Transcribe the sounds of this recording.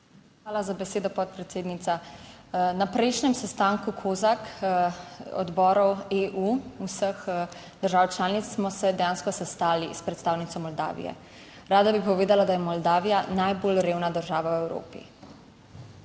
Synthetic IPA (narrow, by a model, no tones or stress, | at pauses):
xʋaːlazabɛseːd̪ɔpɔt̪̚pɾɛt̪seːd̪nit̪sa | napɾɛjʃnɛmsɛst̪aːŋkukʰoːzak | ɔ̰d̪bɔːɾɔweʔuusəx | d̪̥əɾʒaːwt͡ʃlaːnit̪ssmɔsɛd̪ɛjaːnskɔsɛst̪aːlispɾɛt̪st̪aːwnit̪sɔmɔld̪a̰ːʋḭjɛ̰ | ɾaːd̪abipɔʋeːd̪alad̪ajɛmɔld̪aːʋijanajboːlɾeːwnad̪əɾʒaːʋawɛwɾo̰ːpḭ